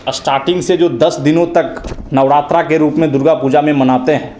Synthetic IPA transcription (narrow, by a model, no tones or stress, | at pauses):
sʈaːɾʈɪ̃ŋɡsed͡ʒoːd̪ɐsd̪ɪnõt̪ɐknɐʋɽaːt̪ɾakeɾuːpmẽd̪ʊɾɡapuːd͡ʒamẽmɐnaːt̪eɦɛ̃ː